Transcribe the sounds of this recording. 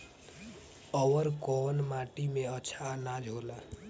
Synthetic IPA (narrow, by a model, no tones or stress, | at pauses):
əwəɾkɔnmaʈimeəːt͡ʃʰanad͡ʒʱɦola